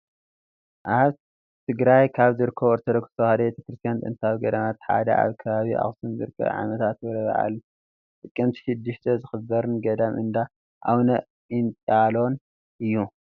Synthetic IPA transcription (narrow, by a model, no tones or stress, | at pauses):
ʔaβ | t̪ʰɨɡɾajkʰaβzɨɾɨkʰːɐβɾt̪ʰɐd̪ɐkɨ̥st̪ʰɐwhad̪ɐbet̪ʰɐ̥kɾɨst̪ʰijant̪ʼɨ̰nt̪ʰawiɡɐd̪ɐmat̪ħa̰d̪ɐ̰ʔa̰βkʰɐβaβiʔa̰xsunzɨ̰ɾɨkʰːɐ̰βʕa̰mɐt̪ʰat̪ɾɐβɐ̰ʔa̰lu | t̪ʼɨkʼːɨmt̪ʰi̥ʃɪd̪ːɨʃt̪ʰɐzɨxɨbɐɾɨnɡɐd̪ɐmɨ̰nd̪a | ʔawnɐ | int̪ʼalo̞n | ʔɨjːu